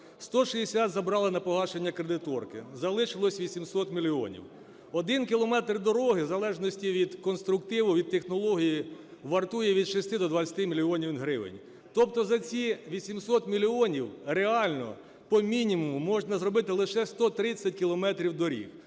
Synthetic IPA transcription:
st̪ɔʃijesʲat̪zɐbɾɑlˠɪnɐpɔɦɑʃenʲːɐkɾed̪ɪt̪ɔrkɪzɐlˠɪʃɪlˠɔsʲʋʲisʲimsɔt̪mʲilʲiɔ̰nʲḭw | ɔd̪ɪnkʲɪlˠɔmɛt̪rd̪ɔɾɔɦɪzɐlˠɛʒnɔsʲtʲiʋʲid̪kɔnst̪ɾʊkt̪ɪʋʊʋʲid̪̚t̪ːexnɔlˠɔɦʲijiʋɐrt̪ujɛʋʲid̪ʃesʲt̪ɪd̪ɔd̪ʋɐt͡sʲɐt̪ɪmʲilʲiɔnʲiwɦɾɪʋɪ̰nʲ | t̪ɔp̚t̪ɔzɐt͡sʲiʋʲisʲimsɔt̪mʲilʲiɔnʲiwreɑlʲnɔ̰ | pɔmʲinʲimumʊmɔʒnɐzrɔbɪt̪ɪlˠɪʃɛst̪ɔt̪ɾɪt͡sʲːɐt̚ʲkʲɪlˠɔmɛt̪ɾʲiwd̪ɔɾʲḭk

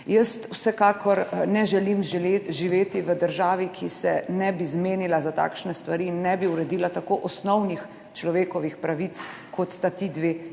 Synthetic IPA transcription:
jəst̪wsɛkaːkɔɾnɛʒɛlimeʒiʋeːt̪iʋəd̪əɾʒaːʋikʰisɛ̰nɛbizmeːnilazat̪a̰ːkʃnɛst̪ʋaɾiinːɛbiuɾɛd̪iːlat̪akoʔɔsnɔwnix | t͡ʃlɔʋeːkɔʋixpɾaʋit̪s | kʰɔt̪st̪at̪id̪ʋeː

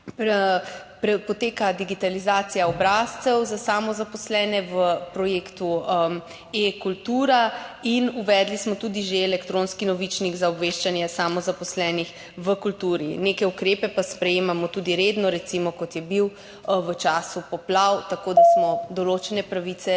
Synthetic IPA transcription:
pɾ | pɾɛpɔt̪eːkad̪iɡit̪alizaːt̪sijaɔbɾaːst̪sɛwzasamɔzapɔslɛːnɛʋəpɾɔjeːkt̪uəm | ekult̪uːɾainuʋɛd̪lismɔt̪ud̪iʒeɛlɛkt̪ɾõnskinɔʋit͡ʃniɡzaɔbʋeʃt͡ʃanjɛsamɔzapɔslɛːnix | ʋəkult̪uɾinekɛukɾeːpɛpaspɾɛjeːmamɔt̪ud̪iɾed̪nɔɾɛt̪simɔkɔt̪jɛbiw | ʋət͡ʃaːsupɔplawt̪akoːd̪asmɔd̪ɔloːt͡ʃɛnɛpɾaʋit̪sɛ

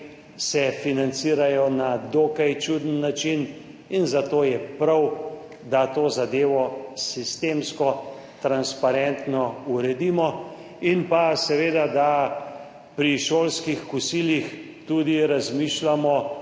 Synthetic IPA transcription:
sɛfinant̪siːɾajɔnad̪oːkajt͡ʃud̪ənːat͡ʃin | inzat̪oːjɛpɾaw | d̪at̪oːzad̪eːʋɔsist̪eːmskɔ | t̪ɾanspaɾɛnt̪nɔuɾɛd̪imɔ | inpasɛʋeːd̪ad̪a | pɾiʃoːlskixkusiːlix | t̪ud̪iɾazmiːʃlamɔ

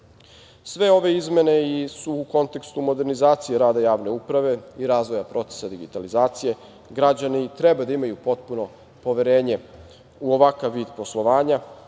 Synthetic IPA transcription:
sʋe̞o̞ʋe̞izme̞ne̞isuːko̞nt̪e̞kst̪umo̞d̪e̞ɾnizaːt̪sijeɾaːd̪ajaːʋne̞upɾaʋe̞iɾaːzʋo̞japɾo̞t̪se̞̥sad̪iɡit̪alizaːt̪sije̞ | ɡɾad͡ʑanit̪ɾebad̪aimajupo̞t̪puno̞ | po̞ʋeɾeːɲe̞ | uoʋakaʋːiːd̪po̞slˠo̞ʋaːɲa

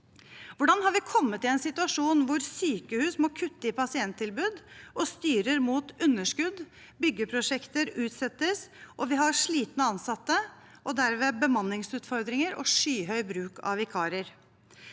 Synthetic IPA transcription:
ʋʊɖɑnɦɑɾʋɪkʰɔmːət̪ɪɛnsɪt̪ʉɑʂuːnʋʊɾsyːkəhʉːsmɔkʰʉt̪ːəɪpʰɑsɪɛnt̪ʰːɪlbʉːd̪ʔɔst̪yːɾəɾmuːt̪ʉnːəʂkʉd̪ | bʏɡːəpʰɾʊʂɛkt̪əɾʉːt̪sɛt̪ːəsʔɔʋɪɦɑɾʂɭiːt̪nəɑnsɑt̪ːə | ʔɔd̪æɾmeːbəmɑnːɪŋsʉːt̪fɔɾd̪ɾɪŋəɾʔɔ̰ʂyːɦœʏbɾʉːkʰɑ̰ʋɪkʰɑːɾəɾ

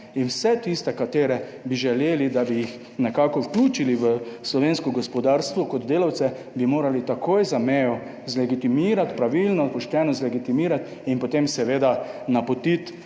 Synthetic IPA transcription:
inwsɛt̪ist̪ɛkat̪eːɾɛbiʒɛleːlid̪abijix | nɛkaːkɔwklʲuːt͡ʃiliʋəslɔʋeːnskɔɡɔspɔd̪aːɾst̪ʋɔkɔd̪d̪eːlawt̪sɛ | bimoːɾalit̪akoːjzamɛːjɔ | zlɛɡit̪imiːɾat̪pɾaʋilnɔpɔʃt̪ɛnɔzlɛɡit̪imiːɾat̪ | inpɔt̪emsɛʋeːd̪anapɔt̪it̪

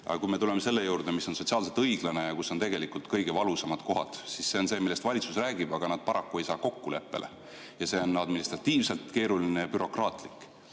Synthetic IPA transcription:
ɑ̰kujme̞t̪ule̞mese̞lːe̞juːɾd̪e̞misːonsot̪ʲsiɑːls̬et̪ɤjɡ̥lɑne̞jɑkuso̞nt̪eɡe̞likult̪kɤjɡ̥e̞vɑlusɑmɑd̪̥ko̞ɦɑ̰d̪̥sisse̞o̞nse̞ːmilːest̪vɑlʲit̪susræːɡ̥ib̥ɑɡ̥ɑnɑd̪̥̚pɑɾɑkːuejsɑːko̞kːule̞̰pːe̞̰lḛ | jɑse̞o̞nːɑd̪minist̪rɑt̪ːiːvse̞lt̪ke̞ːɾulinejɑbyɾo̞krɑːt̪ˑlikːˑ

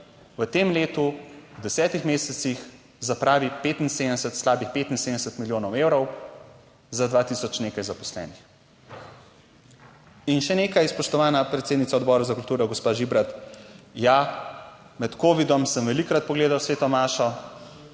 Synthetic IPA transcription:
ʋət̪emleːt̪ud̪ɛsɛːt̪ixmeːsɛt̪six | zapɾaːʋipeːt̪inseːd̪əɛsɛt̪slaːbixpeːt̪in̩seːd̪ɛsɛt̪miljoːnɔwewɾɔw | zad̪ʋaːt̪isɔt͡ʃneːkajzapɔslɛ̰ːnix | inʃɛneːkajspɔʃt̪ɔʋaːnapɾɛt̪sed̪nit̪aɔd̪bɔːɾazakult̪uːɾɔɡɔspaːʒibɾat̪ja | mɛt̪koːʋid̪ɔmsəmʋɛlikɾat̪̚pɔɡleːd̪awsʋeːt̪ɔmaːʃɔ

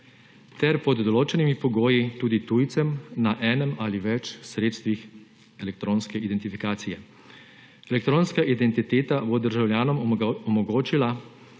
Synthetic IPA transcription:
t̪ɛɾpɔd̪ːɔloːt͡ʃɛnimipɔɡoːjit̪uːd̪it̪uːjt̪sɛmnaʔɛːnɛmaliʋɛt͡ʃsɾeːt̪st̪ʋix | ɛlɛk̚t̪ɾoːnskɛid̪ɛnt̪ifikaːt̪sijɛ | ɛlɛkt̪ɾoːnskaʔid̪ɛnt̪it̪eːt̪abod̪əɾʒawljaːnɔmɔmɔɡoːt͡ʃila

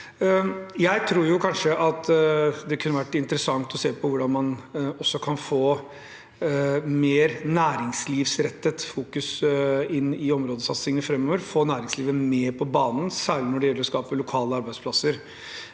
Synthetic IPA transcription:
jæɪt̪ʰɾuːɾjʊkʰɑnʂəʔɑt̪d̪ɛkʰʉnːəʋæʈːɪnt̪əɾəsɑŋt̪ɔseːpɔʋʊɖɑnmɑnɔsːɔkʰɑnfoː | meːɾnæːɾɪŋsliːʋsɾɛt̪ːət̪fuːkʉsɪnːɪɔmɾoːd̪əsɑt̪sɪŋənəfɾɛmːoːʋəɾfoːnæːɾɪŋsliːʋəmeːɾpʰɔbɑːnn̩sæːɭɪnɔɖɛjɛlːəɾɔskɑːpəlʊkʰɑːləɑɾbæɪspʰlɑsːəɾ

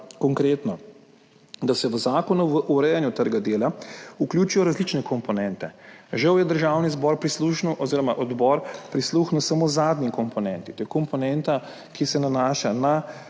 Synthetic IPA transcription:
kɔŋkɾeːt̪nɔ | d̪asɛʋəzaːkɔnuʋəʔuɾɛjanjut̪əɾɡad̪eːlauklʲjuːt͡ʃijɔɾazlit͡ʃnɛkɔmpɔnɛnt̪ɛʒɐwjɛd̪əɾʒaːwnizbɔɾpɾisluxnuʔɔziːɾɔmaʔɔd̪bɔɾpɾisluxnuwsamozaːd̪nikɔmpɔnɛnt̪it̪oːjkɔmpɔnɛnt̪a | kisɛnanaːʃana

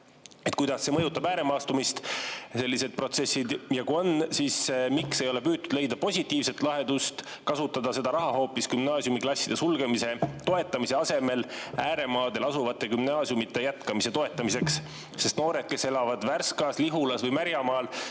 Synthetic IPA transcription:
et̪̚kujd̪̥ɑsːe̞mɤjut̪ːˑɑbæːɾe̞mɑːst̪umist̪se̞lʲːise̞d̪̥̚pro̞t̪se̞sːid̪jɑkuo̞nsismikse̞jo̞le̞pyːdt̪̚t̪ːud̪̥le̞jd̪ɑpo̞sʲit̪ːˑiːvse̞t̪ˑlɑɦe̞d̪ust̪kɑsut̪ːˑɑd̪̥ɑse̞d̪̥ɑɾɑɦɑɦo̞ːpːiskymnɑːsjumiklɑsʲːid̪e̞sulɡ̥emise̞t̪o̞e̞t̪ːˑɑmise̞ɑse̞me̞læːɾe̞mɑːd̪e̞lɑsuvɑt̪ːˑe̞ɡymnɑːsjumit̪ːe̞jæt̪kɑmise̞t̪o̞e̞t̪ːˑɑmise̞ksː | e̞st̪no̞ːɾe̞d̪̥̚ke̞se̞lɑvɑd̪̥værskɑsliɦulɑsvɤjmæɾjɑmɑːl

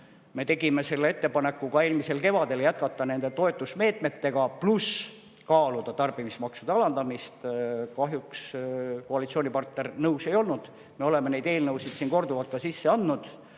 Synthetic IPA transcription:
me̞t̪e̞ɡ̥ime̞se̞lːee̞t̪ːepɑne̞kːˑukɑe̞ːlmise̞lke̞vɑd̪̥e̞ljæt̪̚kɑt̪ˑːɑne̞nd̪̥e̞t̪o̞et̪ˑːusme̞ːt̪ˑme̞t̪ːe̞ɡ̥ɑplus | kɑːlud̪̥ɑt̪ɑrb̥imismɑksud̪eɑlɑnd̪ɑmist̪kɑɦjukskoɑlit̪sio̞ːnʲipɑrt̪ne̞rnɤwse̞jo̞lnud̪̥ | meo̞le̞mene̞jd̪e̞ːlnɤwsid̪̥siːnko̞rd̪uvɑlt̪kɑsisːe̞ɑnd̪nud̪̥

